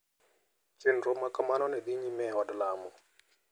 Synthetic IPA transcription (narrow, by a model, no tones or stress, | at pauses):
t͡ʃɪnrɔmakɔmanɔnɛd̪iɲimɛɦɔdɔlaːmɔ